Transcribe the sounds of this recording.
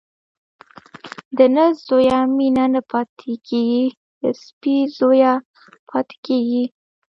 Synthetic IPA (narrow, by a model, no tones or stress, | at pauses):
d̪ənəzojaminanəpɑt̪ʰekʰeɡi | d̪əspizoja | pʰɑt̪e̥keɡi